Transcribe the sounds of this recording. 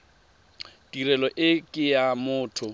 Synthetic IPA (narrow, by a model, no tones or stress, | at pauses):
tʼirɛlɔʔɪkʼɪjamʊːtʰʊ